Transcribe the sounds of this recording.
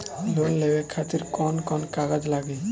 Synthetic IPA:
lonlebekʰat̪iɾkɔnkɔnkaɡad͡ʒlaɡe

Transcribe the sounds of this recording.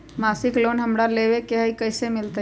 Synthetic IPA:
masiklonɦəmɾaleβekeɦəikəɪsemilt̪ə

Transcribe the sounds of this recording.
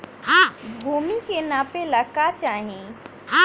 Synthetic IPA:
ɦãbʱuːmikenaːpeləkat͡ʃaːɦẽ | ɦã

